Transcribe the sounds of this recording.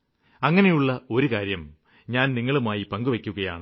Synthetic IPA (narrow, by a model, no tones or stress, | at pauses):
ɐŋːɐne̞juɭːɐo̞ɾukaːɾjɐm | ɲaːnniŋːɐɭumaːjipɐŋɡuʋɐkʲːuɣɐja̰ːɳɨ